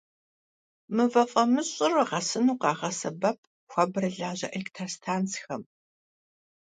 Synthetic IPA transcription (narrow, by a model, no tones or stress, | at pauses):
mɨvɐfʼɐmɨɕʼɪrɨʁɐsɨnuːqɑːʁɐsɐbɐp̚ʰ | xʷɐbrɨɮaːʑɐ̰ʔɐktʰɐrstʰaːnt͡sxɐm